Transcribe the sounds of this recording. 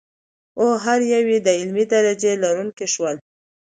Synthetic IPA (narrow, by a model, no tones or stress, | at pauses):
oɦaɾjawed̪əɪlmid̪aɾad͡ʒelɑɾuŋkiʃwəl